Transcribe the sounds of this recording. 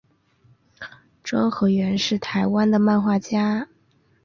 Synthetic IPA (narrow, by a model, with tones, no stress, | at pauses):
ʈ͡ʂwɑ˥ŋxɤ˧˥ɥɛ˧˥nʂɻ̩˥˩t̪ʰa˧˥ɪwa˥nd̪ə˨ma˥˧nxwa˥˩t͡ɕja˥